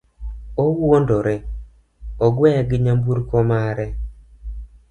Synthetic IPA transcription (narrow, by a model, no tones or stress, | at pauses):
owondoɾe | ɔɡwɛɡɪɲambuɾkomaɾɛ